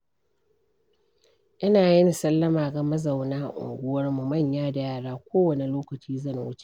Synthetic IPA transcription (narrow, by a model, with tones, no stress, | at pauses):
ʔɪ˦naː˨jɪ˦ni˨sɐ˦lːɐ˦maː˨ɡa˨mɐ˦za˨wnaː˦ʔʊ̰˨ŋɡʷʊ˦wɐ˦rmu˨mɐ˦˨ɲjaː˦da˨jaː˦˨ɽaː˦kʷoː˦wɐ˨ne˨loː˦kɐ˨t͡ʃiː˦zɐ˦˨nwʊ˦t͡ʃe̥˨ʔ